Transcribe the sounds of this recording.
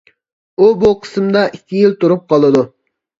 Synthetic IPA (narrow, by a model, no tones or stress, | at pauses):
ubuqʰə̥smd̪ɑʔikʲʰːijɪlˠt̪uɾup̚qʰɑlˠɨd̪u